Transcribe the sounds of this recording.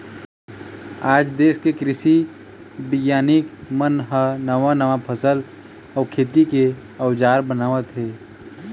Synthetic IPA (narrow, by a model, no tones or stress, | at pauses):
aːd͡ʒd̪eːskekɾɪsi | bɪɡjaːnɪkmənɦənəʋanəʋapʰəsəl | ɔːkʰeːt̪ike | əʊd͡ʒaːɾbənaːʋət̪ɦɛː